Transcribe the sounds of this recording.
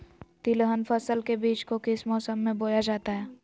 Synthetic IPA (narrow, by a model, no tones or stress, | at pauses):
t̪ɪlɦənpʰəsəlkebiːt͡ʃkokɪsmɔːsəmːẽboːjad͡ʒaːt̪aɦɛː